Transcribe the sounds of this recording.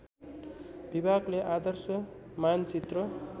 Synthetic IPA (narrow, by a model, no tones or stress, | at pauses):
bibʱaɡleʔad̪ʌrsʌmant͡sit̪rʌ